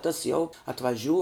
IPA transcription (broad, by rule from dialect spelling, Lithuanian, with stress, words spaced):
tɐs jɛʊ ɐtʋɐˈʒʲuː